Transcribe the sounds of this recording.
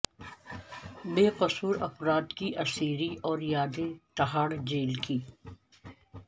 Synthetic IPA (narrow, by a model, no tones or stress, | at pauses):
beːqɐsuːɾɐfɾaːt̪kiʔɐsiːɾiʔɔːɾjaːd̪et̪ɐɦaːɽd͡ʒeːlkiː